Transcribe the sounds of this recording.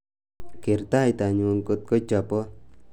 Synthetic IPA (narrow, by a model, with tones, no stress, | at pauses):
keɾt̪a˨jt̪a˨ɲunkot̪̚ko˦t͡ʃapɔ˦